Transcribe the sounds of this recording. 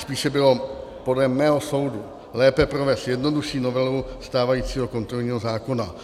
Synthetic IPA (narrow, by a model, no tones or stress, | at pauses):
spiːʃɛbɪlo̞po̞dlɛmːɛːɦo̞so̞wdu | lɛːpɛpɾovɛːst̪jɛdno̞duʃiːno̞vɛluwst̪aːvajiːt͡siːɦo̞ko̞nt̪ɾolɲiːɦo̞zaːko̞na